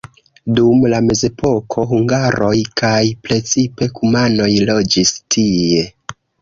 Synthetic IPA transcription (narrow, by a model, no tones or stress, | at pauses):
dumlame̞ze̞pʰo̞kʰo̞ɦuŋɡaɾo̞jkajpɾe̞t͡sipe̞kumano̞jlo̞d͡ʒistʰie̞